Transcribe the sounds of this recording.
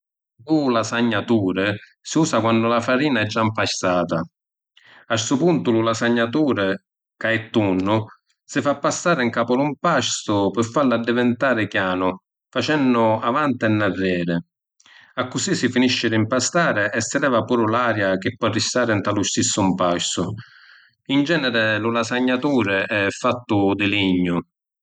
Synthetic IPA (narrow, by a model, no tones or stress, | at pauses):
lulasaɲːat̪uːɾɪ | siuːsakwandʊlafaɾiːnaɛd͡ʒːampaʃt̪aːt̪a | asupunt̪ʊlulasaɲːat̪uːɾɪ | kaɛt̪ːunːʊ | sɪfapːasːaːɾɪŋkaːpʊlʊmpaʃt̪ʊpɪfːalad̪ːɪvɪnt̪aːɾɪkjaːnʊ | fat͡ʃɛnːʊavant̪ɪɛnːarːɛːɾɪ | akːʊsisːɪfiniʃːɪɾimpast̪aːɾɪʔɛsːɪd̪ɛːvapuːɾʊlaːɾjak̟ɪpːɔarːist̪aːɾɪnt̪alʊst̪isːʊmpaʃt̪ʊ | ind͡ʒɛːnɛɾɪlʊlasaɲːat̪uːɾɪɛfːat̪ːʊd̪ɪliɲːʊ